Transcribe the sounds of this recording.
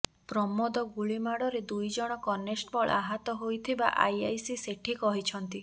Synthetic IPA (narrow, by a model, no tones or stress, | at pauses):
pɾɔmɔd̪ɔɡuɭimaɽɔɾed̪ujd͡ʒɔɽ̃ɔkɔnesʈbɔɭʔa̰ɦat̪ɔɦojt̪ʰiba̰ʔa̰jajsiseʈʰikɔɦit͡ʃʰɔnt̪i